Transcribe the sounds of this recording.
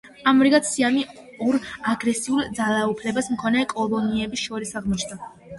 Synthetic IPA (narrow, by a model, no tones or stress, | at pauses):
amɾiɡat̪siami | ɔɾaɡɾɛsiulˠd̪zalˠaupʰlɛbasmkʰɔnɛkʼɔlˠɔniɛbisʃɔɾisaʁmɔt͡ʃʰna